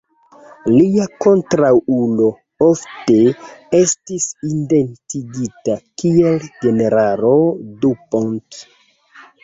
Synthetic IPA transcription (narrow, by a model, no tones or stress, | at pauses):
liako̞ntɾawulo̞ | ofte̞e̞stisinde̞ntiɡitakield͡ʒe̞ne̞ɾaɾodupont